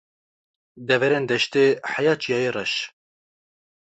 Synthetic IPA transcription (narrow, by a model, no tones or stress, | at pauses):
d̪ɛvɛɾend̪ɛʃt̪eħajɑːt͡ʃijɑːjeːrɛʃ